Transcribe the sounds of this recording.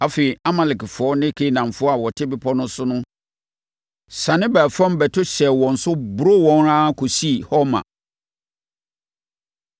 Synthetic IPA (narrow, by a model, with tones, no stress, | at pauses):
a˨feː˨i˨a˦ma˨lɪ˨kfɔ˦nɪ̃˦kʰe˦nã˨m˨fʊ˦ɔ˦a˨wɔ˨tʰɪ˦bɪ˨pʰɔ˦nʊ̃˦sʊ˦nʊ̃˦ | sã˨nɪ̃˦bæː˨fã˦m˦bɛ˨tʰʊ˦ɕɛ˨wɔ̃˨n̩˨sʊ˦bʊ˨ɾo˦wɔ̃˦n˦ɾã˦kʰo˨si˦˨hɔ˦mã̰˨